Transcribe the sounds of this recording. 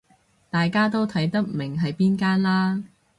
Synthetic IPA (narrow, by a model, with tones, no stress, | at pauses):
t̪aː˨jkaː˥t̪o˥wt̪ʰɐ˨˥jt̪ɐ˥k̚mɪ˨˩ŋɦɐ˨jpiː˥nkaː˥nlaː˥